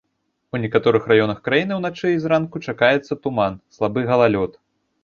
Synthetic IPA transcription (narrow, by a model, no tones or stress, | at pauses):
unʲɛkat̪ɔɾɨxrajɔnɐxkɾajinɨwnat͡ʂɨizɾankut͡ʂakajɛt̪sːɐt̪umanslˠabɨɣɐlˠalʲɔt̪